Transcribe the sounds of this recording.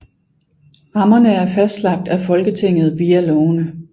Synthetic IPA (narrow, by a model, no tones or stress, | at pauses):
ʁɑ̈mɐnəæɐfæsd̥slɑ̈ɡ̥̚d̥æfɒ̽lɡ̥ət͡sʰe̝ŋ̰ð̩ˠʋiːælɔʊnə